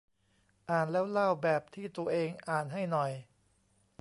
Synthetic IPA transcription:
ʔaː˨˩nlɛː˦˥wla˥˩wbɛː˨˩p̚t̪ʰiː˥˩t̪u˧ɐʔeː˧ŋʔaː˨˩nɦa˥˩jnɔ˨˩j

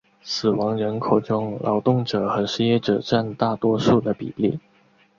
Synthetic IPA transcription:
sɹ̩˨˩wɑ˧˥ŋɻə˧˥nkʰo˨˩ʊʈ͡ʂʊ˥ŋlʔɑ̰˧˥ʊt̪ʊ˥˩ŋʈ͡ʂɤ˨˩˦xə˧˥nʂɻ̩˥jɛ˥ʈ͡ʂɤ˨˩ʈ͡ʂa˥˧nt̪a˥˩t̪wɔ˥ʂu˥˩d̪ə˩pḭ˨˩lḭ˥˩

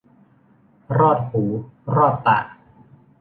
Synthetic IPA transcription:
ɾɔː˥˩t̪̚huː˩˦ɾɔː˥˩t̪ːa̰˨˩ʔ

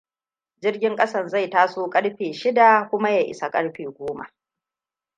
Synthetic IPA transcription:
d͡ʒɪ˦rɡʲɪ˦ŋkʼɐ˦sɐ˦˨nza˦˨jtaː˦soː˦kʼɐ˦ɽɸeː˨ʃɪ˦da˨kʷʊ˦ma˦ja˨ʔɪ̰˨sa˨kʼɐ̰˦ɽɸeː˨ɡʷoː˦ma̰˨ʔ

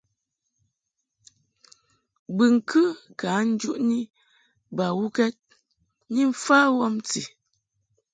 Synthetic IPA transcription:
bɨ˨ŋ̩˨kʰɨ˦ka˨˦n̩˦d͡ʒu˦ʔni˦ | ba˨wu˦kɛ˦t̚ | ni˦ɱ̩˦fa˦wɔ˦mt͡sḭ˨

